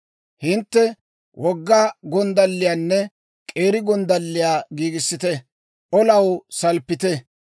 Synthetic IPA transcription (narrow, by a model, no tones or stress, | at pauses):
hɪnt̪ːɛ | wʔɔɡːaːɡɔnd̪ɐlːɪjaːnːɛ | kʼe̞ːɾɪɡɔnd̪ɐlːɪjaːɡiːɡɪsːɪt̪ɛ | ʔɔlɐwsɐlpːɪt̪ɛ